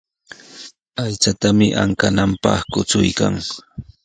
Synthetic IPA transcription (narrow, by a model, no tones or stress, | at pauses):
ajt͡sat̪amɪʔa̰ŋkanampɑ̰χkʊt͡sʊjka̰ŋ